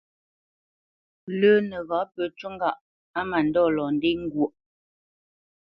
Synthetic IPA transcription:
lə˦nə˨ɣa˨˦pə˨˦t͡ʃə˦ŋɡa˨ʔ | a˦ma˨n˦dɔ˦˨lɔ˨n˦de˦ŋ̩˦ɡwo˨ʔ

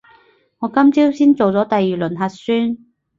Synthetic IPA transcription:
ŋɔː˨˧kɐ˥mt͡siː˥wsiː˥nt͡so˨wt͡sɔː˨˥t̪ɐ˨jːiː˨lɵ˨˩nɦɐ˨t̚syː˥n

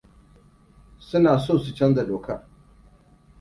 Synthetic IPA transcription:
sʊ˦naː˨soː˦˨su˨t͡ʃɐ˦nza˨ɗoː˨kɐ˦r

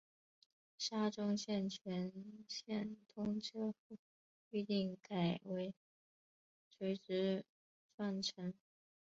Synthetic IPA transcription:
ʂa˥ʈ͡ʂʊ˥ŋɕjɛ˥˩nt͡ɕʰɥɛ˧˥nɕjɛ˥˩nt̪ʰʊ˥ŋʈ͡ʂʰɤ˥fu˥˩ | y˥˧t̪i˥˩ŋka˨˩ɪwe˧˥ɪ | swe˧˥ɪʈ͡ʂɻ̩˥ | ʈ͡ʂwa˥˩nʈ͡ʂʰə˧˥n

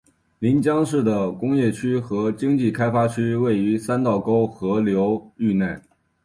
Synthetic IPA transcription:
li˧˥nt͡ɕjɑ˥ŋʂɻ̩˥˩d̪ə˩kʊ˥ŋjɛ˥˩t͡ɕʰy˥xɤ˧˥t͡ɕi˥ŋt͡ɕi˥˩kʰa˥ɪfa˥t͡ɕʰy˥we˥˩ɪy˧˥sa˥nt̪ɑ˥˩ʊko˥ʊxɤ˧˥ljo˧˥ʊy˥˧na˥˩n

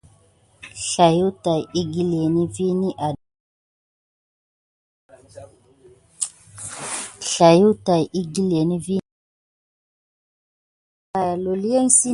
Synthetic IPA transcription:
ɬa˨ju˦ta˨ji˦ɡi˦le˨ni˦vi˦ni˦ʔa˨ | ɬa˨ju˦ta˨jʔi˦ɡi˦le˨ni˦vi˦ | a˨ja˨lo˨li˦e˦n˦si˦

